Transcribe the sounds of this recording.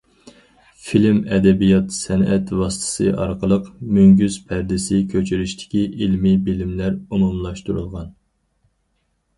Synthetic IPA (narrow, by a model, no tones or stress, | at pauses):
filmɛd̪ɛbijɑt̪sɛnɛt̪vɑsɨ̥t̪ʰɨ̥sɨ̰ʔɑɾqəlˠəqmøŋɡʲyz̥pʰæɾd̪ɪsɪkʲʰøt͡ʃʰyɾyʃt̪ʰɪ̥kʲiʔilmibilɪmlæɾumumlˠɑʃt̪uɾṵlˠʁɑn